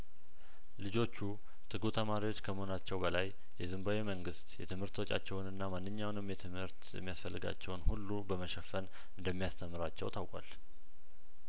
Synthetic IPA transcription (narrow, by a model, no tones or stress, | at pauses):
lɨd͡ʒo̞t͡ʃːu | t̪ʰɨɡut̪ʰəmaɾiwo̞t͡ʃːkʰəməhonat͡ʃːɛwbəlaj | jɛzɨmbawiməŋɡɨst̪jɛt̪ʰɨmhɨɾt̪wo̞t͡ʃʼa̰t͡ʃːɛwnɨnːamanːɨɲːawnɨmjɛt̪ʰɨmhɨɾt̪jɛ̰mːijasfəlːɨɡa̰t͡ʃːɛwnhulːubəməʃɛfən | ɨnd̪əmːijast̪ʰəmːɨɾat͡ʃːɛ̰wt̪ʰawkʷʼa̰l